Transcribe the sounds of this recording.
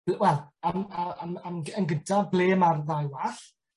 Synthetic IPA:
wɛlˠamaamamənɡədʰablˠeːmarðajwaɬ

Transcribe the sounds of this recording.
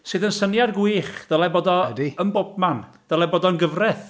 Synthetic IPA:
sɨːðənsənjadɡwiːχd̥əalˠɛboːdɔdiənbɔb̚man | d̥əlˠɛboːdɔnɡəvrɛθ

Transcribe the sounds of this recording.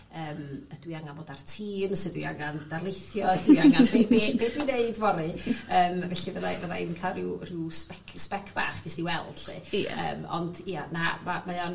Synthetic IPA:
əːməd̥wiaŋanboːdartʰiːmsɛdwḭa̰ŋandarlˠejθjɔəd̥wiaŋabebeːbeːdwineɨdvɔɾɨəːmvɛɬivəðavəðaɪnkʰarɪwrɪwspɛkʰspɛkʰb̥a̰χɡ̥ɪsd̥iwɛlˠɬɨ̰ə̰ːmɔ̰ndianamamajan

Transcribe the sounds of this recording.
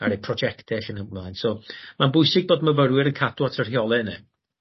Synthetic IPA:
aɾɛpʰrɔd͡ʒɛktɛɬənhəlˠajnsɔmanbʊjsɪɡ̚boːdməvəɾwɪɾənkʰadwatʰər̥hjɔlˠɛnɨ

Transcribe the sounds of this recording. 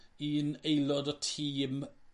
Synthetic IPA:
iənejlˠɔdɔtʰiːm

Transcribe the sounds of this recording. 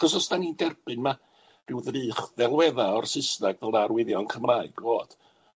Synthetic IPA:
χɔsɔsd̥anindɛrb̥ɨnma | r̥ɪwðriːχðɛlˠwɛðaɔrsɪsnaɡvɛlˠnarwɪðjɔnkʰəmraːɨɡ̥voːd̥

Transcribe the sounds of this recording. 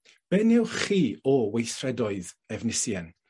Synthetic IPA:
b̥ɛnɪwχiːɔwejθrɛdɔɨð | ɛvnɪsjɛn

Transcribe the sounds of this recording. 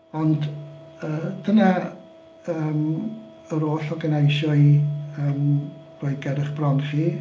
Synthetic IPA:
ɔnd | əːd̥əna | əːm | əɾoːɬɔɡənejʃɔɨəːm | r̥oɨɡɛdɪχb̥rɔnχi

